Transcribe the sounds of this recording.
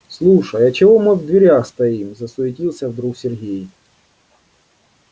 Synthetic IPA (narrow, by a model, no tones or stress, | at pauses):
slˠuʂɐjɐt͡ɕɪvɔmɨvd̪ʲʋʲɪɾʲaxst̪ɐimzɐsʊɪtʲilˠsʲɐvd̪ɾuxsʲɪrɦʲej